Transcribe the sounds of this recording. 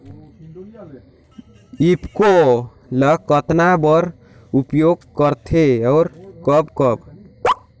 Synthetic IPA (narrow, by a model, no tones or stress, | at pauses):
ipko | ləkət̪nabʌɾ | upjoɡkʌɾt̪ʰeʌʊɾkʌbkʌb